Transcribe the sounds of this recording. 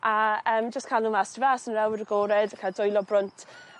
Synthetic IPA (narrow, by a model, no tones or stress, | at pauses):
ʔaəːmd͡ʒəstkʰalˠnuːmastəvasənrɛwəɾəɡoːɾɛdkʰadɔjlˠɔbrʊntʰ